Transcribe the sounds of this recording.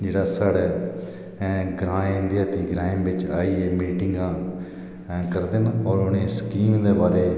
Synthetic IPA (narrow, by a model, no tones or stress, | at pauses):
d͡ʒeːɽaːsaːɽeː | ɡɾãːẽnd̪ijaːt̪iːɡɾaːɪ̃mʋɪt͡ʃaːiːeːmiːʈɪŋɡãː | kəɾd̪ɪnɔːɾʊnẽːskiːmd̪eːbaːɾeː